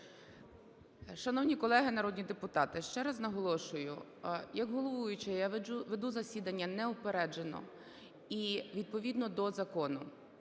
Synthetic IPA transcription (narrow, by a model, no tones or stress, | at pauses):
ʃɐnɔwnʲikɔlˠɛɦɪnɐɾɔd̪ʲnʲid̪epʊt̪ɑt̪ɪʃt͡ʃɛɾɐznɐɦɔlˠɔʃʊjʊ̰ | jɐɡɦɔlˠɔʋʋujʊt͡ʃɛjaʋed̪uzɐsʲid̪ɐnʲːɐnɛɔpeɾɛd͡ʒenɔ̰ | iʋʲid̪̚pɔʋʲid̪nɔd̪ɔzɐkɔnʊ